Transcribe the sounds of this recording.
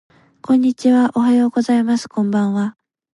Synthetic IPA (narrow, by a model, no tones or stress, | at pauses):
kõ̞ɲ̟ːit͡ɕiβaʔo̞ɦajo̞ːɡo̞zaimasɨ̥kõ̞mbãɰ̃βa